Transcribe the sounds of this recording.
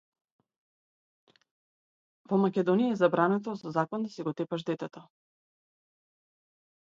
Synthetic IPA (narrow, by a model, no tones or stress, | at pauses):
vɔmakʲɛd̪ɔnijaɛzabɾanɛt̪̬ɔsɔzakɔnd̪asɛɡɔt̪ɛpaʒd̪ɛt̪ɛt̪ɔ